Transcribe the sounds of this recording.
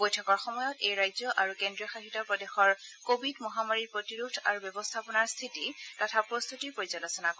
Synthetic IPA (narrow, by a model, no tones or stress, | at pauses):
bojtʰɔkɔɹxɔmɔjɔtejɹajzɔʔaɹukendɹijɔxaxitɔpɹɔdexɔɹkobidmɔɦamaɹiɹpɹotiɹuɡ̚da̰ɹubɔbɔstʰapɔnaɹst̪ʰititɔtʰapɹost̪ʰutiɹpoɹizalosɔnak